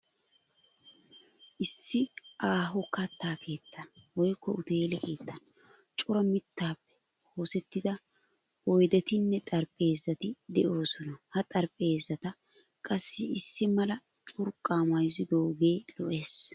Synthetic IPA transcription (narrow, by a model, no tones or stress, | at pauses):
ʔɪsːɪʔaːɦʊkɐt̪ːaːke̞ːt̪ːɐnwɔjkːɔ̰ʊt̪e̞ːlɛke̞ːt̪ːɐn | t͡ʃʼʊɾɐmɪt̪ːaːpːɛ̥ | ho̞ːsɛt̪ːɪd̪ɐ | wɔjd̪ɛt̪ɪnːɛt̪ʼɐɾpʼe̞ːzːɐt̪ɪd̪ɛʔo̞ːsɔnɐhɐt̪ʼɐɾpʼe̞ːzːɐt̪ɐ | kʼɐsːɪɪsːɪmɐlɐ | t͡ʃʼʊɾkʼːaːmɐjzɪd̪o̞ːɡeːlɔʔeːs